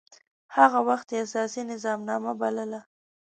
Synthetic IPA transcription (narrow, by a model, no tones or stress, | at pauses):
haɣawaxt̪jeasɑsinɪzɑmnɑmabaləla